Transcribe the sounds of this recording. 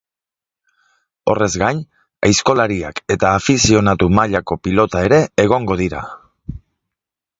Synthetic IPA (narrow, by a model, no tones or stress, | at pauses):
o̞re̞zɡaɲ | ajsko̞laɾiake̞t̪aːfisio̞nat̪umaʎako̞pilo̞t̪ae̞ɾe̞ːɣ̞o̞ŋɡo̞ðiɾa̰